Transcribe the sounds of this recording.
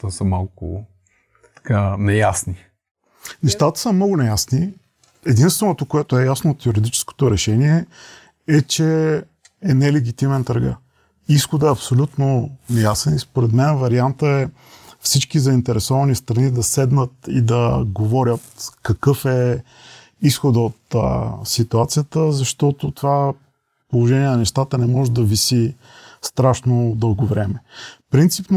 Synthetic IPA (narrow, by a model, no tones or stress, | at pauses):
t̪ɔsəmalˠkʊ̰ | t̪ɐ̥kanɛjasni | nɛʃt̪at̪ə̥səmnɔɡʊnɛjasni | ɛd̪inst̪vɛnot̪okoɛt̪oɛjasnoːt̪juɾid̪it͡ʃɛ̥sko̥t̪oɾɛʃɛniɛ | ɛt͡ʃɛ | ɛnɛlɛɡʲit̪imɛnt̪ɾɡa̰ | isxod̪əɛɐpsolʲut̪nonɛjasɛnispoɾɛd̪mɛnvɐɾiant̪əɛ | fsit͡ʃkizɐint̪ɛɾɛsɔvɐnist̪ɾɐnid̪ɐsɛd̪nət̪ḭd̪ɐɡovɔɾʲət̪kɐkɤfɛ | isxod̪ot̪sit̪uat̪sijət̪əzɐʃt̪ɔt̪ʊt̪ova | polˠoʒɛniɛnɐnɛʃt̪at̪ənɛmɔʒɛd̪ɐvisi | st̪ɾaʃnod̪ɤlˠɡovɾɛmɛpɾint̪sipn